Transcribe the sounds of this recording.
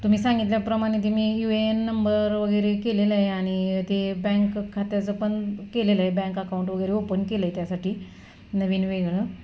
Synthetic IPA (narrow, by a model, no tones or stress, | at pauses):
t̪um̤iːsãŋɡit̪ljapɾəmaɽ̃et̪imiːjuenːəmbəɾʋəɡəjɾekeleləɦeaɽ̃it̪ebɛ̃ŋkkʰːat̪jad͡zəpəɳkeleləɦebɛ̃ŋkəkauɳʈʋəɡəjɾeopəɳkeləɦet̪jasaʈʰiː | nəʋiːnʋeɡɭə